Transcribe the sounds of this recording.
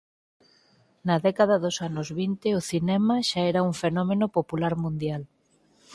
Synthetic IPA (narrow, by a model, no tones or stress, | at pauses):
nɐðɛkað̞ɐðʊsanʊzβint̪eʊθinɛmɐʃaɛɾɐuɱfenɔmenopopulaɾmũnd̪jal